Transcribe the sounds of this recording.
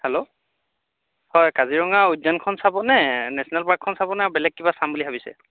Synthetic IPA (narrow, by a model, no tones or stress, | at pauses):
hɛlo | hɔjkaziɹɔŋaudɔnkʰɔnsabɔnɛnɛsɔnɛlpakʰːɔnsabɔnɛabɛlɛk̚ːibasambulibʰʱabisɛ̰